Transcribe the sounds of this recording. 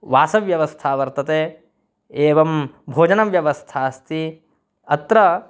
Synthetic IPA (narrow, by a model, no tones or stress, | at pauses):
ʋaːsɐʋjɐʋɐst̪ʰaːʋɐɾt̪ɐt̪eː | eːʋɐmbʱoːd͡ʒɐnɐʋjɐʋɐst̪ʰaːst̪i | ɐt̪ɾɐ